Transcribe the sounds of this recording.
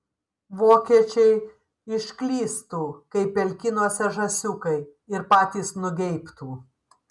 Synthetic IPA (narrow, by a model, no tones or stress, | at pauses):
ʋoːkʲiɛt͡ʃʲɛɪ | ɪʃʲkʲlʲiːst̪uːkɐɪpʲɛlʲkʲɪnuɔsʲɛʒɐsʲʊkɐɪ | ɪɾpɑːt̪ʲiːsnʊɡʲɛɪpt̪uː